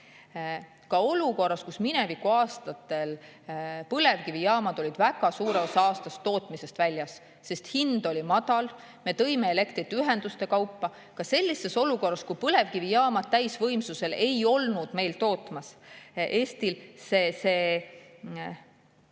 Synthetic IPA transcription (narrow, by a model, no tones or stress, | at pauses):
kɑo̞luko̞rːɑskusminevikːˑuɑːst̪ɑt̪ːˑe̞l | pɤle̞vkivijɑːmɑd̪̥o̞lʲid̪̥væɡ̥ɑsuːɾemɑsɑːst̪ɑst̪ːo̞ːt̪ˑmise̞st̪vælʲjɑsː | e̞st̪hind̪̥o̞lʲimɑd̪̥ɑl | me̞t̪ɤ̞jmeele̞kt̪ɾit̪ːyɦe̞nd̪ust̪e̞kɑwpːɑ | kɑse̞lʲːise̞so̞luko̞rːɑskupɤle̞vkivijɑːmɑd̪̚t̪ːæjsvɤjmsuse̞le̞jo̞lnud̪̥me̞jlt̪o̞ːt̪ˑmɑsʔe̞ːst̪ilsese̞